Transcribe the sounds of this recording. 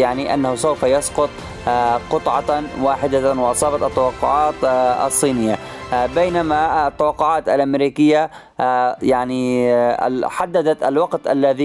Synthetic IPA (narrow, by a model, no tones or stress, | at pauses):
jaʕniʔa̰nːahʊsawfajɑsqʊt̪ˤ | qʊt̪ˤʕɑwaːħɪd̪awɪʔɑsˤɑːbɑt̪ɑt̪ːawɑqːʊʕaːt̪ɑ̰sˤːiːnɪjːabajnamat̪ːawɑqːʊʕaːt̪alʔamɾiːkɪjːa | jaʕnḭ | ħad̪ːad̪at̪a̰lwɑqt̪ʔa̰lːaði